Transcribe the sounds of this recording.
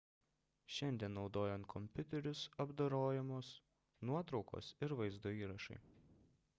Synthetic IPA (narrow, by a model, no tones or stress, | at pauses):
ʃʲɛnʲd̪ʲiɛnnːɒʊd̪oːjɛnt̪̚kʰɔmʲpʲʊt̪ʲɛɾʲʊsɐbd̪ɐɾoːjɛmoːs | nuɔt̪ɾɒʊko̰ːsɪɾʋɐɪzd̪oːiːɾɐʃɐ̰ɪ